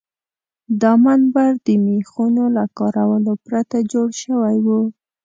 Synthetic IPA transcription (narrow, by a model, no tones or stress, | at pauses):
d̪ɑmanbaɾd̪əmexunolakɑɾawəlopɾat̪ad͡ʒoɽʃəwajwu